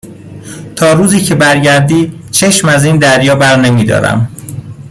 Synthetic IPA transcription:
t̪ʰɒːɾuːziːcʰe̞bæɾɟæɾd̪iː | t͡ʃʰe̞ʃmæziːnd̪æɾjɒːbæɾne̞miːd̪ɒ̰ːɾæ̰m

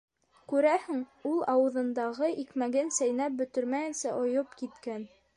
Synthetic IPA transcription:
kʉɾæhɘŋulˠɑwɤ̆ðɤ̆nd̪ɑʁɤʔikmæɡɘnsæjnæp̚bɵ̆t̪ɵ̆ɾmæjɘ̆nsæʔŏjɤpkit̪kæn

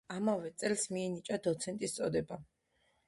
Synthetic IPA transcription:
amavɛt̪sʼɛlsmiɛnit͡ʃʼad̪ɔt̪sʰɛnt̪ʼist̪sʼɔd̪ɛba

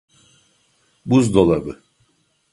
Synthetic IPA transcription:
buzd̪olˠabɯ

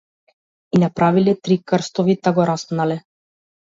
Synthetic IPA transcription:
inapɾavilɛt̪ɾikərst̪ɔvit̪aɡɔɾaspnalɛ

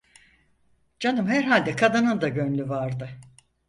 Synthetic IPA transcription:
d͡ʒanɯmhæɾɦalʲd̪ɛkʰad̪anɯnd̪aɟønlʲyvaɾd̪ɯ

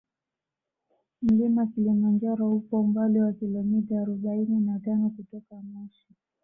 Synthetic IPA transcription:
m̩limakilimand͡ʒaɾɔhupɔumbaliwakilɔmitaːɾuɓaininatanɔkutɔkamɔʃi̥

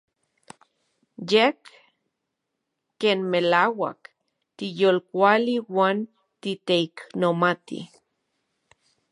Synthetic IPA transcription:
jek | eːnmelaːwa̰k | t̪ijolkʷaliwaːn | t̪it̪eiknomat̪ḭ

